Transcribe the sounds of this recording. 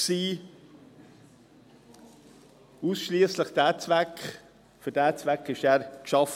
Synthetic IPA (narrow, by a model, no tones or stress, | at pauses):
siː | usʃliːəsləχd̥æːt͡svækχ | fʏdæːt͡svækɪʃæːɾkʃɑf